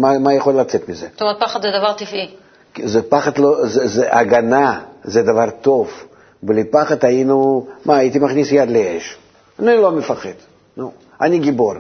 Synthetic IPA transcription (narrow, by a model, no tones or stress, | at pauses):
mamajaχo̞lːɐt͡sɛt̪mʲɪzet̪omeet̪̚paχat̪zɛd̪avaʁt̪ifi | kzɛpaχat̪lozɛzɛʔaɡanazɛd̪avaɾt̪o̞v | blʲipaχat̪ainumaːjit̪ʲimaχnʲisjad̪lʲeeʃ | nʲilomɪfaχed̪̥ | nu | a̰nʲiɡʲibo̞r